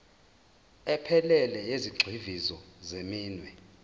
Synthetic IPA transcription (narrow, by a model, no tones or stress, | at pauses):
ɛpʰɛlɛlɛjeziɡ͡ǀʱivizɔzemiːnwɛ